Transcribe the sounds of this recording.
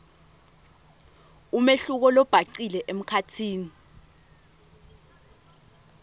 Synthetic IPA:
umeɬuk̬ɔlɔb̥ʱaǀilɛʔem̩kʰatʰiːni

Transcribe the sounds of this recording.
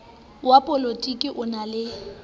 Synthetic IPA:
wapʼɔlotʼikʼɪʔʊnalɪ

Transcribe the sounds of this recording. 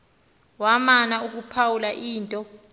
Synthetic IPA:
wamanauk̬upʰawulaʔiːntʼɔ

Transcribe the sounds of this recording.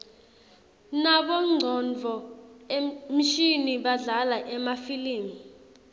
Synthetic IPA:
naɓɔŋ͡ǀʱɔnd͡vʱɔem̩ʃiniɓaɮalaʔɛmafiliːmi

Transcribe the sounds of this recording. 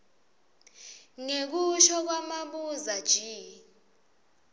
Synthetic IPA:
ŋek̬uʃɔk̬wamaɓuzad̥ʒ̥ʱiː

